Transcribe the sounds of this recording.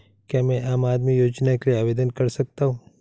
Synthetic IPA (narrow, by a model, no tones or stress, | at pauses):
kamɛ̃ʔaːmaːd̪mijoːd͡ʒnakelieaːʋeːd̪ənkɐɾsɐk̚t̪aɦũː